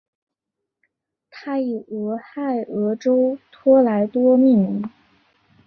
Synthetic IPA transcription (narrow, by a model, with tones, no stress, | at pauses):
t̪ʰa˥i˨˩ɤ˧˥xa˥˩ɪɤ˧˥ʈ͡ʂo˥ʊt̪ʰwɔ˥la˧˥ɪt̪wɔ˥mi˥˩ŋ˧˥